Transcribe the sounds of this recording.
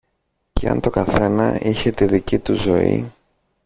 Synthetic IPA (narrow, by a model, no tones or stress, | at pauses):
ceɐ̰nt̪o̞kɐθe̞nɐ̰içe̞t̪iðicit̪uzo̞ḭ